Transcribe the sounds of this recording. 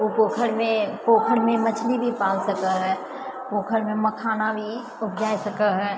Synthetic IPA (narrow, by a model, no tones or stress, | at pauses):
opoːkʰəɽmẽpoːkʰəɽmẽmət͡ʃʰlibʱipaːlsəkəɦɛː | poːkʰəɽmẽməkʰaːnabʱi | ʊpʰd͡ʒaːisəkəɦɛː